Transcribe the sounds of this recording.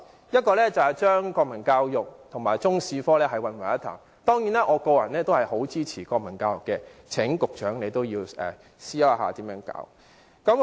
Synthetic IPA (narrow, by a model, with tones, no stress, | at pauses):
jɐ˥t̚kɔː˧lɛː˥t͡sɐ˨whɐ˨jt͡ʃœː˥ŋkɔː˧k̚mɐ˨˩nkaː˧wjʊ˨k̚t̪ʰʊ˨˩ŋmaː˨˩jt͡sʊ˥ŋsiː˧fɔː˥lɛː˥ɦɐ˨jwɐ˨nwɐ˨˩ɐ˦˥t̪ʰa̰˨˩ŋ | t̪ɔː˥ŋjiː˨˥nɛː˥ʔɔː˨˧ko˧wjɐ̰˨˩nlɛː˥t̪o˥whɐ˨jho˨˥wt͡siː˥t͡sʰiː˨˩kɔː˧k̚mɐ˨˩nkaː˧wjʊ˨kːɛ˧t͡sʰɪ˨˥ŋkʊ˨k̚t͡ʃœː˨˥ŋle˨˧jt̪o˥wjiː˧wɛ̰ː˨˩ | siː˥jɐ˥wɦa̰ː˨t̪iː˨˥mjœː˨˥ŋka̰ː˨˥w | kɐ˨˥m